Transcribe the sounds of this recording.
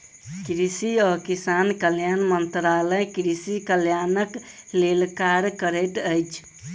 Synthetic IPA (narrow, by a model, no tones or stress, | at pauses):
kɾisiɔkisankəljanmənt̪ɾaləjkɾisikəljanəklelkaɾkəɾəʈəjt͡ʃʰ